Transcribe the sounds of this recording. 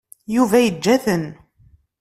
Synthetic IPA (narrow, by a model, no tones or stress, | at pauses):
juvæjəd͡ʒːæθən